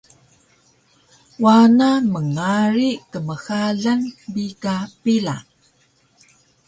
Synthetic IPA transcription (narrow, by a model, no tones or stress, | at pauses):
wanaməŋaɾikəməxaɮanbikapila